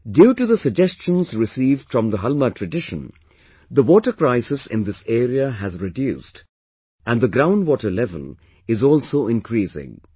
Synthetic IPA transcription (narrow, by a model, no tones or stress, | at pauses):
ɖjuːʈuðəsəɡ̚d͡ʒɛst͡ʃə̃nzɾɪsiːvɖ̥fɹɔ̃md̪əɦʌlmətʰɹəɖɪʃə̰̃n | d̪əwɔːʈəkɾaɪsɪsɪ̰̃nd̪ɪseːɾiəɦæzɹɪdjuːst | ʔæ̃nd̪əɡɾãʊ̃nɖwɔːʈəlɛvə̰l | ɪzɔːlsoːɪ̃nkɾiːsɪ̰̃ŋ